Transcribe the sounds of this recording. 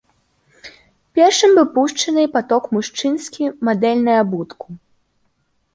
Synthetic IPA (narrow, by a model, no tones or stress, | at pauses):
pʲɛrʂɨmvɨpuʂt͡ʂɐnɨpat̪ɔkmuʂt͡ʂɨnskʲimad̪ɛlʲnɐjɐbut̪kʰu̥